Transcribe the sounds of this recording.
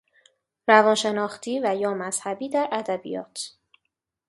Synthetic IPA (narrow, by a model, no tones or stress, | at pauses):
ɾævɒːnʃe̞nɒːχt̪ʰiːvæjɒːmæz̥hæbiːd̪æɾʔæd̪æbḭjɒ̰ːt̪ʰ